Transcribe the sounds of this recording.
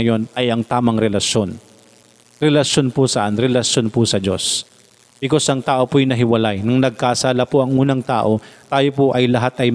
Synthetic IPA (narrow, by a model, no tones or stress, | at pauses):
jo̞nɐjɐŋt̪aːmɐŋɾɛlɐʃjo̞n | ɾɛlɐʃo̞npʊsɐʔanɾɛlɐʃjo̞npʊsɐd͡ʒo̞̰s | b̥ɪko̞sʔɐŋt̪aːʔo̞pojnɐɦɪwɐlajnɐŋnɐɡ̚kaʔsaːlɐpoʔɐŋʔuːnɐŋt̪a̰ːʔo̞t̪aːjopoʔɐjlɐɦat̪ʔɐj